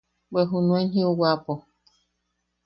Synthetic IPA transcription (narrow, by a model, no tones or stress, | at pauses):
beɦunũẽnɦĩuwapo